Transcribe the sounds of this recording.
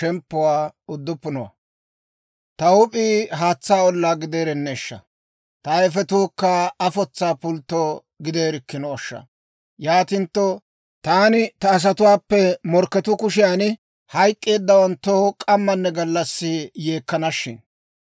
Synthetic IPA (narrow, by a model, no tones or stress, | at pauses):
ɛmpːʊwaːʊd̪ːʊpːʊnɔwɐ̰ | t̪ɐwʊpʼiːɦaːt͡sːaːɔlːaːɡɪd̪eːɾɛnːeːʃːɐ̰ | t̪ɐɛfɛt̪uːkːɐɐfɔt͡sːaːpʊlt̪ːoː | ɡɪd̪e̞ːɾɪkːɪnɔɔʃːɐ̰ | jaːt̪ɪnt̪ːɔ | t̪aːnɪt̪ɐːs̬ɐt̪ʊwaːpːɛmɔɾkːɛt̪ʊkʊʃɪjaːnɪ | hɐjkʼːe̞ːd̪ːɐwɐnt̪ːoːkʼɐmːɐnːɛɡɐlːɐsːɪje̞ːkːɐnɐʃːɪ̰n